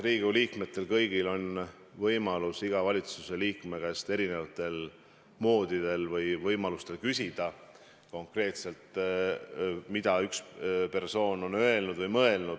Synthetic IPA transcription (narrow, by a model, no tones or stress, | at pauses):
riːɡ̥uliːkme̞t̪ːˑe̞lkɤjɡ̥ilo̞n | vɤjmɑlusiɡ̥ɑvɑlʲit̪suse̞liːkme̞ɡ̥æst̪e̞ɾine̞vɑt̪ːˑe̞l | mo̞ːd̪̥id̪̥e̞lvɤjvɤjmɑlust̪e̞lkysʲid̪̥ɑ | ko̞ŋkre̞ːt̪se̞lt̪ | mid̪̥ɑykspe̞rso̞ːno̞nø̞e̞lnud̪vɤjmɤe̞lnud̪̥